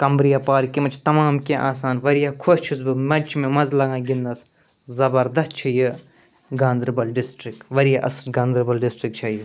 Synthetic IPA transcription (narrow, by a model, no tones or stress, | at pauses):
kɐmbɾijapaːɾkimɐt͡ʃʰt̪ɐmaːmkʲeʔaːs̬aːnʋɐɾijaːkʰost͡ʃʰusbɨmɐt͡ʃmẽmɐzlɐɡãːɡinːɐs | zɐbɐɾd̪ɐst̪̚t͡ʃʰɐjɨ | ɡaːnd̪ɾɐbɐlɖisʈɾik̚ʈʋɐɾijaːʔɐsɾɡãːnd̪ɾɐbɐlɖisʈɾik̚t͡ʃʰɐji